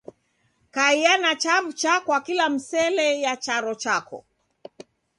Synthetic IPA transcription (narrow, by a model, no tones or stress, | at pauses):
kaianat͡ʃavut͡ʃakwakilam̩sɛlɛjat͡ʃaɾɔt͡ʃakɔ̰